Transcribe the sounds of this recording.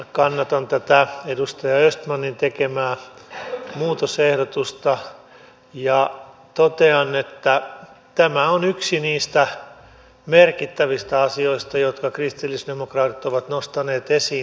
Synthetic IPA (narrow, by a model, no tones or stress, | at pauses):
kɑnːɑt̪ɑnt̪æt̪æedust̪ɑjɑøst̪mɑnːint̪ekemæː | muːt̪osehɾot̪ust̪ɑ | jɑt̪ot̪eɑnːet̪ːæ | t̪æmæonyksiniːst̪æ | merkit̪ːæʋist̪æɑsioist̪ɑjot̪kɑkrist̪ilːisdemokrɑːt̪it̪oʋɑt̪nost̪ɑneːt̪esiː